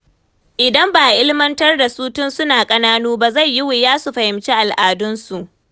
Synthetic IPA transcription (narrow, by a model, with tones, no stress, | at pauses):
ʔɪ˨dɐ˦mbaː˨ʔɪ˦lɪ˦mɐ˦ntɐ˦rda˨suː˦tʊ˦nsʊ˦naː˨kʼɐ˦naː˦nuː˦ba˦za˦˨jːɪ˦wʊ˨jaː˦su˨ɸɐ˨hɪ˨mt͡ʃe˦ʔa˨lʔaː˨dʊ˦nsu˨ʔ